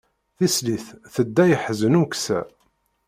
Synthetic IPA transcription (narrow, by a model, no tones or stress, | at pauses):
θisliθθəd̪ːæjəħzənuksæ̰